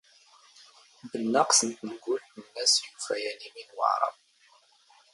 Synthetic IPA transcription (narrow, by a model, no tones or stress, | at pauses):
bənːəqsənt̪ənəɡʷːʊlt̪ənːæsjufæjæniminwə̰ʕɾˤɑ̰v